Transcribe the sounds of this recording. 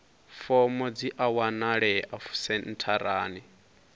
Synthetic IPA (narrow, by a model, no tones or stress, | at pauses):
fɔmɔd͡ziʔawanaɺɛʔafu̥sɛn̩tʰaɾaːni